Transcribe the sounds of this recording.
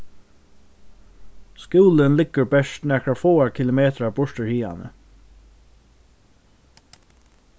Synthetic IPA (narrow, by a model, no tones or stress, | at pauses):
skuːlənlɪkːəɹbɛʂt̪nɛːkafoːakʰɪlʊmeːt̪ɾabʊɹt̪ɪɹhiːa̰nə̰